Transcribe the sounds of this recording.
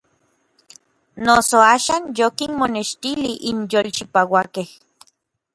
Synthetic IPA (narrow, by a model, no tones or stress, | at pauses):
nosoaːʃaːnjokinmoneʃt̪iliʔinjolt͡ʃipawakeh